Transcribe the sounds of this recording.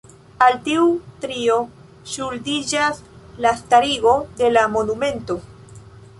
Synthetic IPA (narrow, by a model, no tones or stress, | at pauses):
alt̪iut̪ɾio | ʃuld̪id͡ʒaslast̪aɾiɣo̞d̪e̞lamonumẽ̞nt̪o